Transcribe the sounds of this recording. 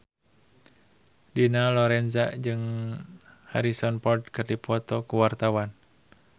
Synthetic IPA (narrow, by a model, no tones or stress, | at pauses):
dinalɔɾɛnzad͡ʒɨŋ | ha̰ɾisɔnpɔrd̚kɨrdipɔt̪ɔkuwart̪awan